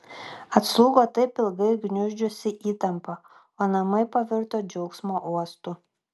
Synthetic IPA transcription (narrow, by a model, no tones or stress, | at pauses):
ɐt̪slˠuːɡoːt̪ɐɪpʲɪlˠɡɐɪɡnʲʊʒʲd͡ʒʲʊsʲɪʔiːt̪ɐmpɐ | oːnɐmɐɪpɐʋʲɪɾt̪oːd͡ʒʲɛʊksmoʔuɔst̪u